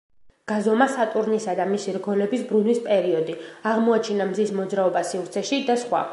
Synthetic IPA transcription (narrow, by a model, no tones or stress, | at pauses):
ɡ̥azɔmasat̪ʼuɾnisad̪amisiɾɡɔlɛbisbɾunwispʼɛɾiɔd̪iaʁmɔat͡ʃʰinamzismɔd̪zɾaɔbasivɾt̪sʰɛʃid̪asχwa̰